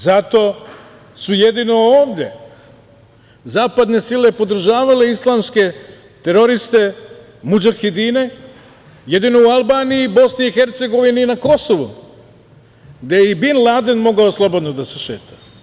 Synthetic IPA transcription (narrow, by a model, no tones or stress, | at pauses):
zat̪o̞ː | sujed̪ino̞oːʋd̪ʲje̞̰ | zaːpad̪ne̞silepo̞d̪r̩ʒaːʋale̞islˠaːmske̞ | t̪e̞ɾo̞ɾist̪e̞ | mud͡ʒaxid̪ine̞ | je̞d̪ino̞ualˠbaːnijiːbo̞sniixeɾt̪se̞ɡo̞ʋiniːnako̞soʋṵ | ɡd̪ejeibinlˠad̪enmo̞ɡaoslˠo̞bo̞d̪nod̪aseʃeːt̪ʰa